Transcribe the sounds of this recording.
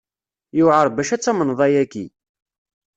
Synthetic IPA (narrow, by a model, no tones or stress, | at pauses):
juʕəɾˤbæʃæt͡sːæmənðˤɑjækːḭ